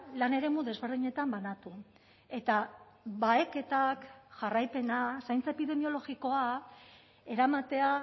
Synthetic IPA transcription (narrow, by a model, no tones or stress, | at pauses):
lane̞ɾe̞muðe̞zβe̞ɾðiɲe̞t̪ambanat̪u | e̞t̪a | βaeke̞t̪akʝarajpe̞nasajnt͡saepiðe̞mio̞lo̞ɣiko̞a | e̞ɾamat̪e̞a